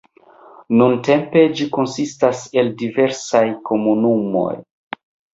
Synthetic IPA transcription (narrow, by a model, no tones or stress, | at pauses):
nunte̞mpe̞d͡ʒiko̞nsistase̞ldive̞ɾsajko̞munumo̞̰j